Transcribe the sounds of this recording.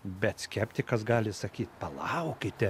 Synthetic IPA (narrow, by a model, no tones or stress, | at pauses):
bʲɛt̪sʲkʲɛpʲt̪ʲɪkɐsɡɑːlʲɪsɐkʲiːt̪pɐlˠɑʊkʲɪt̪ʲɛ